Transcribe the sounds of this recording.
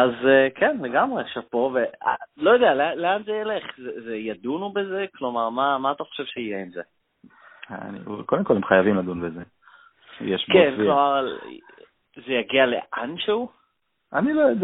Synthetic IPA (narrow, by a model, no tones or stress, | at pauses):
azekʰenleɡamʁeʃavpo̞vea̰lo̞jod̪ealealeanzejele̞χzezejad̪unubezeklo̞maʁmamaːt̪aχoʃe̞vʃeijeimze | a̰nḭkod̪emko̞lemχajavimlad̪unbeze | jeʃkenklomaʁ | zejaɡialḛʔanʃeu | anilojod